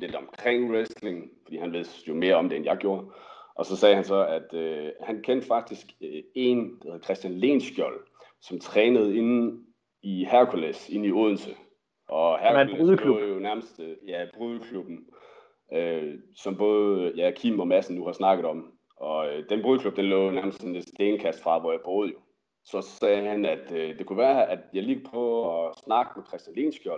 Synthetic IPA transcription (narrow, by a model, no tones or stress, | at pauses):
le̝d̥ɒ̽mkʰʁeŋ̰ʁesle̝ŋfɒ̽d̥ḭːhænʋe̝ð̰ˠjome̝ːɐɒ̽md̥eenjɑ̈ɪɡ̥jo̝ːɐʔɒ̽sɒ̽sɛːhænsɒ̽æd̥øhænkʰen̰d̥fɑ̈ɡ̥̚d̥isɡ̥e̝nd̥ɑ̥heð̩ˠkʰʁɛsd̥jænle̝̰ːnsɡ̥jɒl | sɒ̽mt͡sʰʁɛːnəð̞̩ˠe̝n | ihæɐkʰulese̝niɔð̞̰ˠn̩sə | ʔɒ̽hæɐkuleðˠlujonæɐməsd̥jæb̥ʁyðˠəkʰlub̥n̩ | øsɒ̽mb̥ɔ̽ːð̞ˠjækʰimɒ̽mæsn̩ːuhɑ̈snɑ̈ɡ̥əð̞̩ˠɒ̽m | ʔɒ̽ød̥enb̥ʁyðˠkʰlub̥̚d̥enlɔ̰ʊjonæɐməsd̥sene̥sd̥eːnkʰæsd̥fʁɑ̈ʋɒjɑ̈ɪb̥o̝ːð̞̩ˠjo̝ | sɒ̽sɛːhænæd̥d̥e̝kʰuʋæːɐʔæd̥jɑ̈ɪleɡ̥ɐpʰɒ̽ɒsnɑ̈ɡ̥əmekʰʁɛsd̥ænle̝̰ːnsɡ̥jɒl